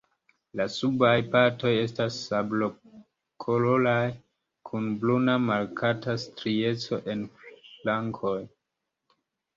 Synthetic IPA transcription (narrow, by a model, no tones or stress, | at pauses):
lasubajpaɾto̞je̞stasːablo | kʰolo̞laj | kʰunblunamalkʰatastɾie̞t͡so̞ʔe̞nflaŋkʰo̞j